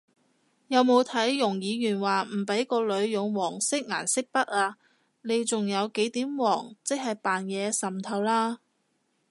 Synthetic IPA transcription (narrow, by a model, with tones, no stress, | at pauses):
jɐ˨˧wmo˨˧wt̪ʰɐ˨˥jːʊ˨˩ŋjiː˨˧jyː˨˩nwaː˨m̩˨˩pe˨˥jkɔː˧lɵ˨˧ɥjʊ˨ŋwɔː˨˩ŋsɪ˥k̚ŋaː˨˩nsɪ˥k̚pɐ˥t̚aː˧ | ne˨˧jt͡sʊ˨ŋjɐ˨˧wke˨˥jt̪iː˨˥mwɔː˨˩ŋt͡sɪ˥k̚hɐ˨jpaː˨njɛː˨˧sɐ˨mt̪ʰɐ˧wlaː˥